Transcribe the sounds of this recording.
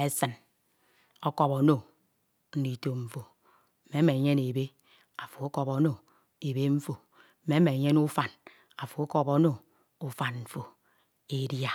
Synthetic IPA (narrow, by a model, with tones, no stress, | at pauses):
e˦sɨ˨n | ɔ˦kɔ˦po˨˦no˦˨ | n̩˦ni˨to˨m̩˨fo˨ | m̩˨me˨˦me˨ɲe˦ne˨be˦ | a˨fo˨o˦kɔ˦po˨˦no˦ | e˨be˦ɱ̩˦fo˨ | m̩˨˦me˦me˨ɲe˦nu˦fa˨n | a˨fo˨o˦kɔ˦po˨˦no˦˨ | u˦fa˨nm̩˨fo˨ | e˨dja˨